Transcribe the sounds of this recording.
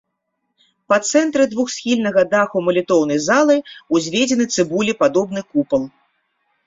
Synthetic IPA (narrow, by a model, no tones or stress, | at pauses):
pɐt̪sɛnt̪ɾɨd̪vuxsʲxʲilʲnɐɣɐd̪axumɐlʲit̪ɔwnɐjzalˠɐjuzʲvʲed͡zʲɛnɨt̪sɨbulʲipad̪ɔbnɨkupɐlˠ